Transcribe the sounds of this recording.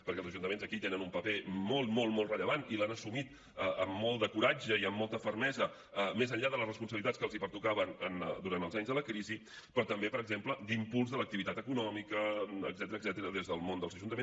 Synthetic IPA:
pəɾkɛlˠzəʒunt̪əmenzəkit̪enənumpəpemolˠt̪molˠmɔlˠrəʎəβanilanəsumit̪ | əəmːɔlˠd̪əkuɾad͡ʒəiəmːɔlˠt̪əfəɾmɛzə | əmezəʎʎaðələsrəspunsəβlit̪at͡sskəlˠzipəɾt̪ukaβənənd̪uɾanəlˠzaɲzðələkɾizi | pɾɔt̪əmbepəɾəɡzempləd̪impulˠzðələk̚t̪iβit̪at̪əkunɔmikəə̰ɡzɛt̪əɾəɡzɛt̪əɾəðezðəlˠmond̪əlzəʒunt̪əe

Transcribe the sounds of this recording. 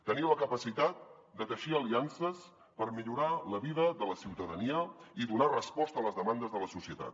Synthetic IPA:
t̪əniwləkəpəsit̪at̪̚d̪ət̪əʃiəliansəs | pəɾmiʎuɾaləβiðəðələsiwt̪əðəniəiðunarəspɔst̪ələzðəmand̪əzðələsusiət̪a̰t̪̚

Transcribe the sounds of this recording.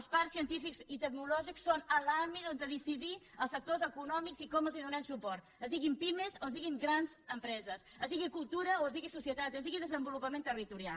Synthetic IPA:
spaɾsːiənt̪ifikzit̪əknulɔʒiksːonəlambit̪ond̪əðisiði | əlˠsək̚t̪ozəkunɔmikzikɔməlˠziðunɛmsupɔrt̪əzðiɣimpimezoəzðiɣiŋɡɾanzəmpɾɛzəsəzðiɣikulˠt̪uɾəoəzðiɣisusiət̪at̪əzðiɣiðəzəmbulupəmẽnt̪ərit̪uɾia̰

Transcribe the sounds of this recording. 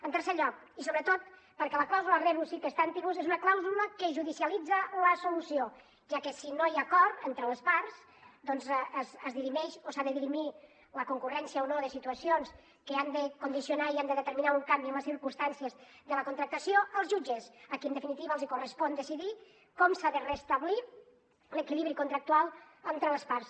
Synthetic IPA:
ənt̪əɾseʎɔk̚ | isoβɾət̪ot̪̚ | pəɾkɛləklawzulərɛβusikəst̪ant̪iβuzezunəklawzuləkəʒuðisjəlid͡zəoasulusio | ʒ̥akəsinojakɔrt̪ent̪ɾələspaɾs | d̪ɔnzzəzðiɾimɛʃosaðəðiɾimi | ləkuŋkurɛnsiəonoðəsit̪uəsions | kəand̪əkund̪isiunaiand̪əðət̪əɾminauŋkambiəmləsiɾkumst̪ansiəz | ðələkunt̪ɾək̚t̪əsjoəlˠzʒud͡ʒəzəkiənd̪əfinit̪iβəlˠzikurəspɔnd̪əsiði | kɔmsaðərəst̪əβli | ləkiliβɾikunt̪ɾak̚t̪ualˠənt̪ɾələspars

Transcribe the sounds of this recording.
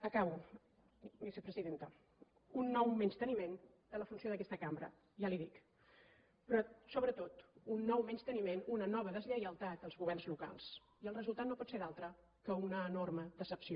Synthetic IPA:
əkaβw | bisəpɾəziðent̪ə | unːɔwmɛnst̪ənimen | d̪̥ələfunsioðəkɛst̪əkambɾə̰ | ʒaliðik | pɾɔsoβɾət̪ot̪unːɔwmɛnst̪ənimenunənɔβ̞əðəzʎəjəlˠt̪at̪əlˠzɣuβɛrnzluka̰lˠs | iəlˠrəzulˠt̪at̪nopɔt̪seɾalˠt̪ɾə | kəunəːnorməd̪əsəpsio

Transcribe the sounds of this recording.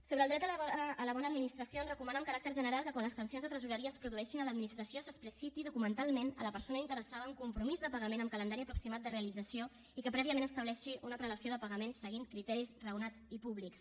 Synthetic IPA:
soβɾəːlˠd̪ɾɛt̪əːləβ̞ɔnəd̪minist̪ɾəsionrəkumanəmkəɾak̚t̪əɾʒənəɾalˠkəkwanləst̪ənsijonzðət̪ɾəzuɾəɾiəspɾuðuɛʃinələd̪minist̪ɾəsiosəspɾisit̪iðukumənt̪alˠmenə̰ləpəɾsonəint̪əɾəsaðəːŋkumpɾumizðəpəɣəmenəmkələnd̪aɾiəpɾuksimat̪d̪əreəlid͡zəsio | ikəpɾɛβiəmẽnəst̪əβlɛʃiʔunəpɾələsioðəpəɣəmensːəɣiŋkɾit̪ɛɾisrəwnad͡zipuβliks

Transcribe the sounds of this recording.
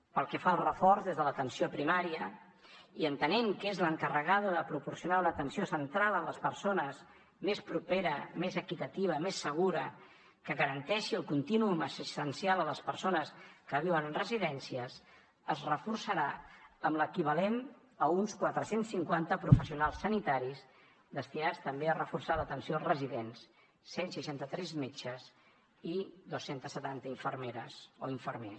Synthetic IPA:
pəlˠkɛfaəlˠrəfɔrzðezðələt̪ənsiopɾimaɾiə | iənt̪əneŋkezləŋkərəɣaðəðəpɾupuɾsiunalət̪ənsiosənt̪ɾalˠələspəɾsonəz | mespɾupeɾəmezəkit̪ət̪iβ̞əmesːəɣ̞uɾə | kəɣəɾənt̪ɛʃiəlˠkunt̪inuuməsist̪ənsialˠələspəɾsonəskəβ̞iwənənrəziðɛnsiəs | əzrəfursəɾaəmləkiβəlen | əunskwat̪ɾəsensːiŋkwant̪əpɾufəsiunalˠsːənit̪aɾiz | d̪əst̪inat͡st̪əmbeərəfursalət̪ənsiolˠrəziðens | sensiʃant̪ət̪ɾɛzmet͡ʃəz | iðosːent̪əsːət̪ant̪əiɱfəɾmeɾəsoiɱfərme

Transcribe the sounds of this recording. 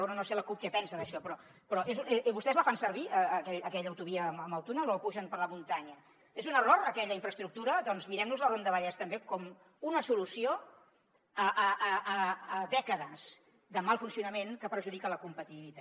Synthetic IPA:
onənoseləkup̚kɛpɛnsəðəʃɔpɾɔpɾɔʔezuβust̪ɛzləfansəɾβiəːkɛʎəkɛʎəːwt̪uβ̞iəəməwt̪unəlopuʒənpəɾləmunt̪aɲə | ezunəroɾəkɛʎəiɱfɾəst̪ɾuk̚t̪uɾəðɔnzmiɾɛmnuzlərond̪əβəʎɛst̪əmbekɔm | unəsulusio | əʔːʔəːðɛkəðəz̥ | ðəmalˠfunsiunəmenkəpɾʒuðikələkumpət̪it̪iβit̪a

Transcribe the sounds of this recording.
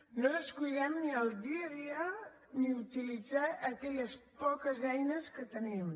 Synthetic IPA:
noəskuʎɛmniəlˠd̪iəðiə | niut̪ilid͡zaʔəkɛʎəspɔkəzɛjnəskət̪ənim

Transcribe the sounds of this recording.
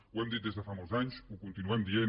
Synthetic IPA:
wɛmd̪it̪̚d̪ezðəfamolzaɲsukunt̪inuɛmd̪ien

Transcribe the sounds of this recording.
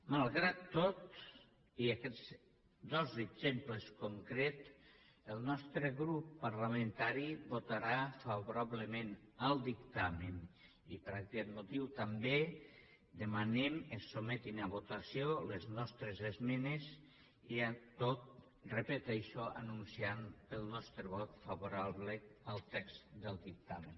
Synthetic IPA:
malˠɣɾat̪ːot̪ | iakɛz | d̪ɔzeɡzempləskoŋkɾet̪ | əlˠnɔst̪ɾəɣɾupːaɾlamẽnt̪aɾibot̪aɾafaβoɾaβləmenəlˠd̪ikt̪amen | ipəɾakɛt̪̚mut̪iwt̪ambe | d̪emanemesomɛt̪inaβot̪asioleznɔst̪ɾezezmenez | iat̪ot̪̚ | repet̪ɛʃoʔa̰nunsianpəlˠnɔst̪ɾəβɔt̪faβuɾaβləəlˠt̪ɛkz̥d̪əlˠd̪ik̚t̪amen

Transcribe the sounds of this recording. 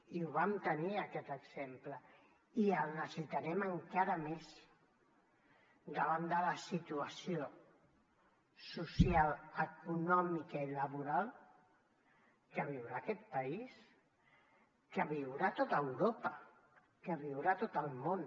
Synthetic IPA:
iuβamt̪əniəkɛt̪əɡz̥emplə | iəlˠnəssit̪aɾɛməŋkaɾəmes | d̪əβand̪ələsit̪uəsio | susjaləkunɔmikəiləβuɾalˠ | kəβ̞iwɾaːkɛt̪̚pəis | kəβiwɾat̪ot̪əwɾopə | kəβiwɾat̪ot̪əlˠmon

